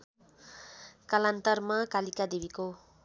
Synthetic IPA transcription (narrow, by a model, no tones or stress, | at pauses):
kʌlant̪ʌrmakalikad̪ibiko